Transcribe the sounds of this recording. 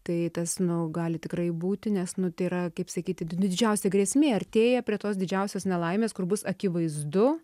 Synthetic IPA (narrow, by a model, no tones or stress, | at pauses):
t̪ɐɪt̪ɐsnʊɡɑːlʲɪtʲɪkɾɐɪbuːt̪ʲɪnʲɛsnʊt̪ɐɪiɾɐkɐɪpsɐkʲiːt̪ʲɪnʊdʲɪd͡ʒʲɛʊsʲɛɡɾʲɛsʲmʲeːɐrʲt̪ʲeːjɛpʲɾʲiɛt̪oːsd̪ʲɪd͡ʒʲɛʊsʲoːsnʲɛlˠɐɪmʲeːskʊrbʊsɐkʲɪʋɐɪzd̪ʊ